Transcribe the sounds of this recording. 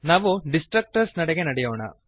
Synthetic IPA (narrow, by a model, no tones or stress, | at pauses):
naːʋuɖisʈɾɐk̚ʈɐɾsnɐɽeɡenɐɽɛjoːɳɐ̰